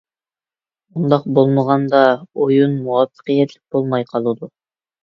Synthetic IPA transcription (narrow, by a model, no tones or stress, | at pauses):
und̪ɑqbolˠməʁɑnd̪ɑojunmuɑfːɨ̥qijɛt̪ʰlʲɪk̚ʲbolˠmɑjqʰɑlˠud̪u